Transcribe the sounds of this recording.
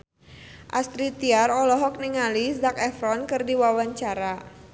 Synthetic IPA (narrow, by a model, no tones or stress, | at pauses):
ʔast̪ɾit̪iarɔlɔɦɔk̚niŋalisdak̚ɛfɾɔnkɨrdiwawaɲt͡ʃaɾa